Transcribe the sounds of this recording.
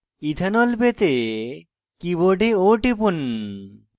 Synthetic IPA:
it̪ʰanɔlpet̪e | kiboɖeoʈipun

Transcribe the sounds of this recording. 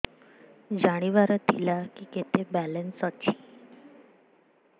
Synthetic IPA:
d͡ʑaɽ̃iʋaɾət̪ḭlakiket̪ʰebælensat͡ɕi̥

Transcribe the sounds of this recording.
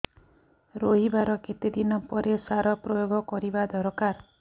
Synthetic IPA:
ɾoɦibaɾɔket̪ed̪inɔpɔɾʔesaɾɔpɾɔjoɡɔkɔɾibad̪ʱɔɾɔkaɾ

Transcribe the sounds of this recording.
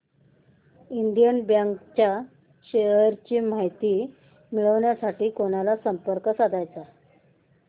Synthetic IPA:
ind̪jənbjaŋkt͡ɕja | ɕeɦəɾt͡ɕiːm̤aɦjt̪iː | miɭəʋɳjasaʈiːkoñalasəmpəɾkəsad̪ʱajt͡sa

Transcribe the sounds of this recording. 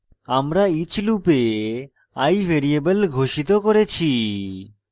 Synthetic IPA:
amɾait͡ɕʰlupe | ajbʱeɾiebəlɡʱoʃit̪̬okoɾet͡ɕʰi

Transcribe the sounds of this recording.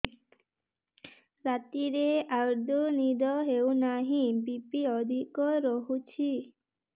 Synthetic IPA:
ɾat̪iɾeaɾd̪ʱɔnid̪ɔɦewnaɦĩbipiɔd̪ʱikɔɾɔɦut͡ʃʰi

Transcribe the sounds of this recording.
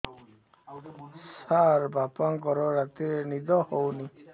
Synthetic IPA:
saɾbapaŋkɔɾɔɾat̪enid̪ɔhɔwni

